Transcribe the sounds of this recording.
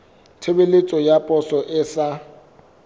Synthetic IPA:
tʰebelɪt͡sʼɔjapʼɔsɔʔɪsa

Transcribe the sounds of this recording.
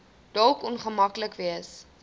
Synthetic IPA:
d̥ɔlˠkɔnχəmɐkləkviəs

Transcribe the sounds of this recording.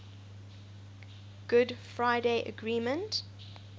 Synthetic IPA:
ɡ̥ʊdfɹaɪdeɪʔə̰ɡɹĩːmə̃nt

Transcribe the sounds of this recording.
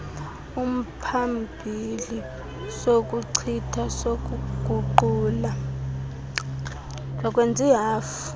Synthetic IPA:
um̩pʰambʱili | sok̬ʼuǀʰitʰasok̬uɡ̥ʱuǃuːla | d͡ʒʱakʼwend͡zʱiɦaːfu̥

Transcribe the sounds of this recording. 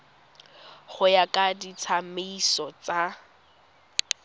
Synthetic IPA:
χʊjakʼadit͡sʰameisɔt͡sa

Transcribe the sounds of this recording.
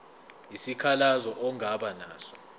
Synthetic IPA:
isikʰalazɔʔɔŋaɓanaːɬḁ

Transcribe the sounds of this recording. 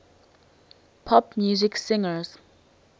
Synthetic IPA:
pʰɔpmjuziksɪ̃ŋəz̥

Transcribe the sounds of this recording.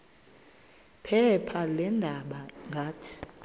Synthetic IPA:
pʰɛpʰalɛndʱaɓaŋɡʱaːtʰi̥

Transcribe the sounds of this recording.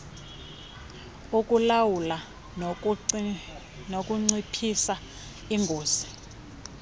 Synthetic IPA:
ukʼulawula | nokʼuŋ͡ǀipʰisa | iŋɡʱoːzi

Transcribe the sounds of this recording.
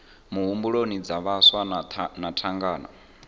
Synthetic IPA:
muɦumbuɺonid͡zaβaswanatʰaŋɡaːna̰

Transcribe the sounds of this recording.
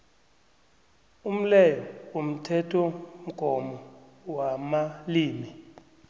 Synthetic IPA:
um̩lɛjɔom̩tʰɛtʰɔm̩ɡ̥ʱɔmɔ | wamaliːmi

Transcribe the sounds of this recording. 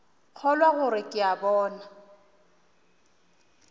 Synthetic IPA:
k͡xʰɔlwaɣʊɾɪkʼɪabɔːna

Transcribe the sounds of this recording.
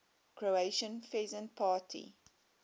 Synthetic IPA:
kʰɹoeʃə̃nfɛzə̃npʰɑːtʰḭ

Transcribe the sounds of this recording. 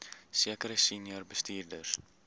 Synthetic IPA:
siəkəɾəsinjərbəstiːrdər

